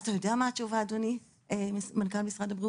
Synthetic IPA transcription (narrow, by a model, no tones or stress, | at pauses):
t̪ajodeamaːt͡ʃuvaːdoni | emankalmisʁadabʁi